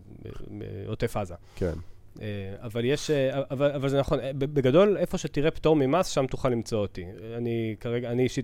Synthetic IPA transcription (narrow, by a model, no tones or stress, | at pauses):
ḛotefaza | kḛn | eavaljeʃeaavalavalzenaχo̞nbbeɡado̞le̞fo̞ʃetiʁe̞pto̞ʁmimasʃamtuχalːimt͡sootianikaʁeɡaniːʃi